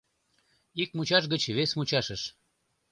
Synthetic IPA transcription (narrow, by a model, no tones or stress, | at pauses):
ik̚mut͡ɕɑʃ̬ɣət͡ɕβesmut͡ɕɑʃəʃ